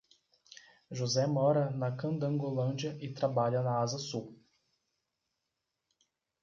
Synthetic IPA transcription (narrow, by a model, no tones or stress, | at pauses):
ʒozɛmɔɾɐnɐkɐ̃d̪ɐ̃ŋɡolɐ̃nd͡ʒiɐʔɪt̪ɾabaʎɐnɐazɐsu